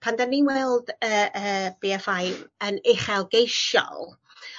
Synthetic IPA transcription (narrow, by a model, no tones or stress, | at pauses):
pʰandaninwɛlˠdəːəːb̥iɛfajvənɪχɛlˠɡejʃɔ̰lˠ